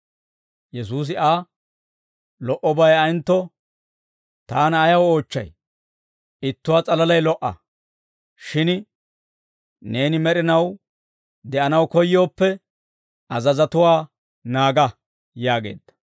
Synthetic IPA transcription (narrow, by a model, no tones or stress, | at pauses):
jɛs̬uːs̬ɪʔaː | lɔʔɔbɐjɐjnt̪ːɔ | t̪aːnɐjɐwo̞ːt͡ʃːɐ̰j | ɪt̪ːʊwaːt͡sʼɐlɐlɐjlɔʔɐ̰ | ʃɪn | ne̞ːnɪmɛɾɪnɐw | d̪ɛʔɐnɐwkɔjːo̞ːpːɛ | ɐzɐzɐt̪ʊwaː | naːɡɐ | jaːɡe̞̰ːd̪ːɐ̥